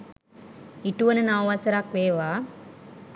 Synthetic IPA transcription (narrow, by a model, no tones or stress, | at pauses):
iʈuʋənənawʋasəɾakʋeːʋaː